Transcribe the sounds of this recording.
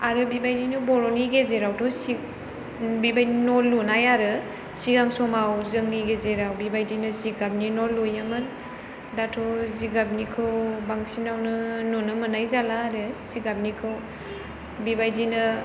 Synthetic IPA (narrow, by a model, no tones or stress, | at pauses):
aɾɯbibajdinubɔɾɔniɡezeɾawtʰɔsi | bibajinɔlːunajaɾɯ | siɡaŋsɔmawzɯŋniɡezeɾawbibajdinɯziɡab̚ninɔlujamɯn | datʰɔziɡab̚nikʰɯwbaŋsinawnɯnɔnɯmɯnajzalaːɾɯsiɡab̚nikʰɯw | bibajdinɯ